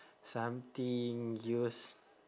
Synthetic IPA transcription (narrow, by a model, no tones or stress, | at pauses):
samt̪iŋjus